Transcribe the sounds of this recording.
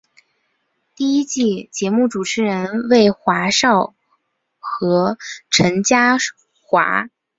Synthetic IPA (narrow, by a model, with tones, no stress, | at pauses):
t̪i˥˩i˥t͡ɕi˥˩t͡ɕjɛ˧˥mu˥˩ʈ͡ʂu˨˩ʈ͡ʂʰɻ̩˧˥ɻə˧˥nwe˥˩ɪxwa˧˥ʂɑ˥˩ʊ | xɤ˧˥ʈ͡ʂʰə˧˥nt͡ɕja˥ | xwa̰˧˥